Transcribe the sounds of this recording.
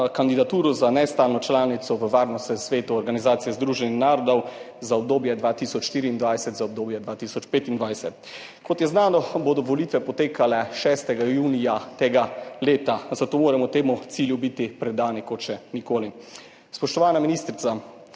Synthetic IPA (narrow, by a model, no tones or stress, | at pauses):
kand̪id̪at̪uːɾɔzanɛst̪aːlnɔt͡ʃlaːnit̪sɔʋəʋaːɾnɔst̪ɛsʋeːt̪uɔɾɡanizaːt̪sijɛzd̪ɾuːʒɛnixnaːɾɔd̪ɔw | zaɔb̚d̪oːbjɛd̪ʋaːt̪isɔt͡ʃʃt̪iːɾiːnd̪ʋajsɛt̪zaɔb̚d̪oːbjɛd̪ʋaːt̪iːsɔt͡ʃpeːt̪ind̪ʋajsɛt̪̚ | kɔt̪jɛznaːnɔbod̪ɔʋolit̪ʋɛpɔt̪eːkalɛʃɛːst̪ɛɡajuːnijat̪eːɡaleːt̪azat̪oːmoːɾamɔt̪eːmut̪siːljubit̪ipɾɛd̪aːnikɔt̪ʃɛnikoːli | spɔʃt̪ɔʋaːnaminiːst̪ɾit̪sa